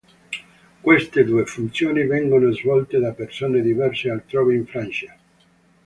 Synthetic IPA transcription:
kwest̪ed̪uːefunt̪sjoːnivɛŋɡonozvɔlt̪ed̪apersoːned̪ivɛrsealt̪ɾɔːveiɱfɾant͡ʃa

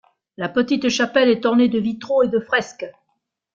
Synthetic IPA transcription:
lapət̪it̪ʃapɛlɛt̪ɔʁned̪əvit̪χoed̪əfχɛsk

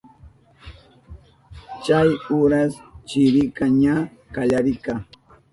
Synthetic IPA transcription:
t͡ʃajʊɾast͡ʃɪɾɪkaɲa | kaʎaɾɪka

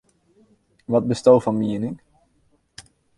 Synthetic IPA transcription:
ʋɑd̚bəstowvɑnmiənɪ

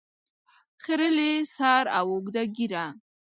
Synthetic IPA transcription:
χəɾəlesaɾawoɡd̪aɡiɾa

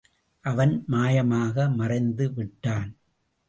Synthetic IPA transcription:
ʔɐʋɐnmaːjɐmaːɣɐmɐrɐɪnd̪ɯʋɪʈːaːn

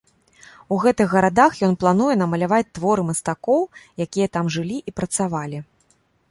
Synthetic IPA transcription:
uɣɛt̪ɨɣːɐɾad̪axjɔnplˠanujɛnɐmɐlʲavat͡sʲt̪vɔɾɨmɐst̪akɔwjakʲijɐt̪amʐɨlʲiʔipɾɐt̪savalʲi

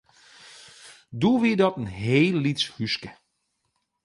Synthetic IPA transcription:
duʋidɔtənɦeːlːitshyskə

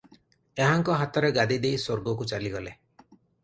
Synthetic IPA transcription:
eɦaŋkɔɦat̪ɔɾeɡad̪id̪eisoɾɡɔkut͡ʃaliɡɔle

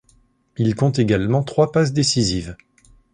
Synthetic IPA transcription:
ilkɔ̃t̪eɡalmɑ̃t̪χwapas̬d̪esiziv

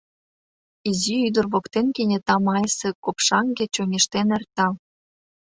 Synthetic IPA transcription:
iziyd̪ə̆rβokt̪enkenʲĕt̪ɑmɑjsĕkopʃɑŋɡĕt͡ɕoŋʲeʃt̪enert̪ɑ

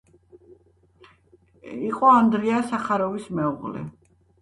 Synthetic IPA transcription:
iqʼɔand̪ɾiasaχaɾɔvismɛuʁlɛ̰

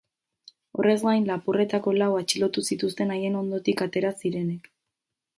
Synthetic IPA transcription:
o̞̰re̞zɡajnlapure̞t̪ako̞lawat͡ʃilo̞t̪usit̪ust̪e̞naje̞no̞nd̪o̞t̪ikat̪e̞ɾasiɾe̞ne̞k

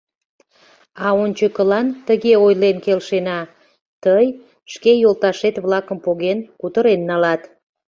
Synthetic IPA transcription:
ɑonʲt͡ɕəkəlɑnt̪əɣeojlenkelʃenɑ | t̪əj | ʃkejolˠt̪ɑʃet̪βlɑkəmpoɣenkut̪əɾenːɑlɑt̪

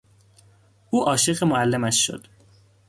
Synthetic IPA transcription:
ʔuːʔɒːʃeɣemoælːemæʃːo̰d̪̥

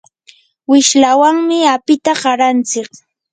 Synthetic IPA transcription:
wɪʃlawaŋmɪapɪt̪aɢɑɾant͡sɪk

